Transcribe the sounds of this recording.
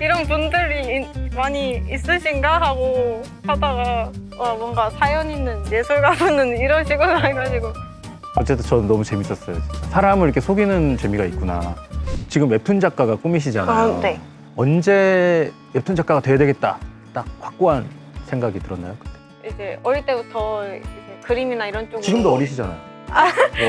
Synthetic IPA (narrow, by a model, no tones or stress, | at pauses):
iɾʌnp̬undɯɾimaɲiis͈ɯɕʰinɡaɦaɡo | hadaɡa | amwʌŋɡasʰajʌɲinɯnje̞sʰuɭɡapɯnɯniɾʌnɕʰiɡonɯɦaɭɡad͡ʑiɡo | ʌt͡ɕ͈e̞t͈ʰɯt͡ɕʌnnːʌmut͡ɕe̞mis͈ʌs͈ʌjosʰaɾamɯɭiɾkʰesʰoɡinɯnt͡ɕe̞miɡait̚k͈una̰t͡ɕiɡɯme̞p̚tʰund͡ʑak͈aɡak͈umiɕʰid͡ʑanaone | ʌnd͡ʑe̞ | e̞p̚tʰund͡ʑak͈aɡatwe̞jadwe̞ɡet̚t͈a̰ | t͈ak̚kwak̚k͈oɦan | sʰe̞ŋɡaɡitɯɾʌnːa̰jokɯ̥t͈e̞ | id͡ʑe̞ʌɾit͈e̞butʰʌid͡ʑe̞kɯɾiminaiɾʌnt͡ɕ͈oɡɯt͡ɕiɡɯmdoʌɾiɕʰid͡ʑana̰jo | a